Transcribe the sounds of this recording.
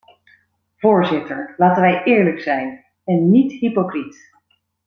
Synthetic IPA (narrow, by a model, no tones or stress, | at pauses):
v̥ʊːɹzɪtəɹlaːtənʋɛjʔɪːɹləksɛjn | ɛnːitɦipokrit